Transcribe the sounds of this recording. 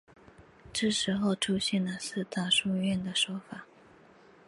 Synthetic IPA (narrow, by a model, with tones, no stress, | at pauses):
ʈ͡ʂɤ˥˩ʂɻ̩˧˥xo˥˧ʊʈ͡ʂʰu˥ɕjɛ˥˩nlə˩sɹ̩˥˧t̪a˥˧ʂu˥˧ɥɛ˥˩nd̪ə˩ʂwɔ˥fa˨˩˦